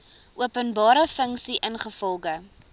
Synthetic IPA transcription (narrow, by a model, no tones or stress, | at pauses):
ʔuəpənbɑːɾəfəŋsiʔənχəfɔlˠχə